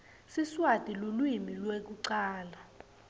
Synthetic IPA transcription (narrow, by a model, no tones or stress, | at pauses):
siswad̥ʱʼilulwimilwek̬uǀaːla